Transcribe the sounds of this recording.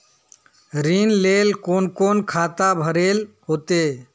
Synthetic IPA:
ɾinlelkonkonkʰat̪abʱəɾel | ɦot̪e

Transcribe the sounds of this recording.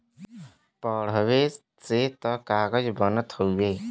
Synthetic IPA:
pəɽ̤əʋe | set̪əkaːɡəd͡ʒbənət̪ɦoeː

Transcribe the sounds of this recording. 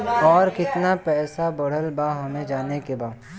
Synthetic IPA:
ɔːɾkɪt̪napɛːsabɐɽ̤əlbaːɦoːned͡ʒaːnekebaː

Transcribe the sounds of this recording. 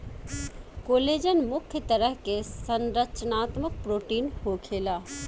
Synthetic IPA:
koːleːd͡ʒənmʊkʰjət̪ɐɾəɦkesənɾət͡ʃnaːt̪mək̚pɾoːʈiːnhoːkʰeːlaː

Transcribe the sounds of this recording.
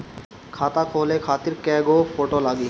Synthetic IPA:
kʰat̪akʰolekʰat̪iɾkɛɡofoʈolaɡi

